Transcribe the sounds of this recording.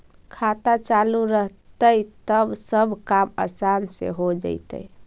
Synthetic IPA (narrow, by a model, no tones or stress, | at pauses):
kʰat̪at͡ʃaluɾəɦt̪ət̪əbsəbʱkamə̰sansḛɦod͡ʒə̰ɪt̪ə̰